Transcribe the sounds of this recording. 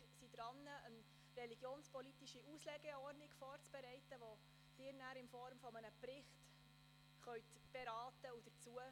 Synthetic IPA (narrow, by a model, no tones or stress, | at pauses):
ɾsid̥̪ɾɑnːəən | rɛliɡ̥joːnspɔlitiʃiuslɛɡɛɔrnɪɡfɔːrt͡sb̥ɛɾɛɪtəʋo | sɪːɾnæːɾɪnfɔɾmfɔmənəprɪχt | χœɥt | b̥ɛɾɑːtəud̥ət͡suə